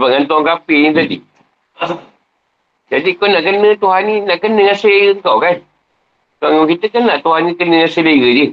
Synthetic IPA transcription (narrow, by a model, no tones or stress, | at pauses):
baʔŋant̪uaŋkapiɲit̪adḭ | d͡ʒadikonaʔkənət̪uɦaninaʔkənəŋaseleɣəəŋkawkan | t̪uaŋoŋkit̪əkanːaʔt̪uɦanikənəŋaseleɣəd͡ʒə